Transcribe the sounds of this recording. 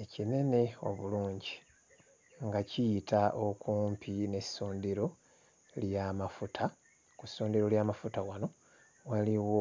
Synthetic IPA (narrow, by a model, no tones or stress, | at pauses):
ecine̞ne̞o̞̰βuluːɲɟi | ŋɡacijitʰaʔokuːmpʰine̞soːndeɾo̞ | ljamafutʰa | kusoːndeɾo̞ljaːmafutawano̞ | waliwo